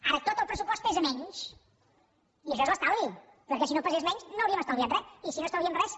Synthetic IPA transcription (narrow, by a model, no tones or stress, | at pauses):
aɾət̪ot̪əlˠpɾəsupɔst̪ezəmɛɲʃ | iəʃɔezβast̪ali | pəɾkɛsinopəzezmɛɲznoəwɾiəməst̪alˠβjanrɛt̪isinost̪awβiənrɛs